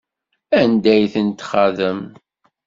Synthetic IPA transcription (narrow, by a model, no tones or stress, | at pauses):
ænd̪æjθənt̪χæðəm